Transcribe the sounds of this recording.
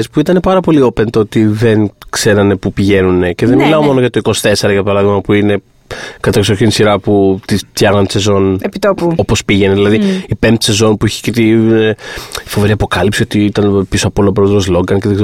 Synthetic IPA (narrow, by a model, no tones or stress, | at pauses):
espuit̪ɐne̞pɐɾɐpo̞lio̞pe̞nt̪oot̪iðe̞nkse̞ɾɐne̞pupiʝe̞nune̞ce̞ðenmilɐo̞mo̞noʝɐt̪oiko̞si̥t̪e̞se̞ɾɐʝɐpɐɾɐðiɣmɐpuine̞ | kɐt̪ɐksoɾçinisiɾɐput̪ist̪çɐɣnɐnt̪se̞zo̞nepit̪opuopo̞spiʝe̞neðilɐðiipemt̪se̞zo̞npuiçe̥cet̪i | fo̞ve̞ɾiɐpo̞kɐlipsio̞t̪iit̪ɐnpisoɐpo̞lop̬ɾoðɾo̞zloɡɐnceðeɡze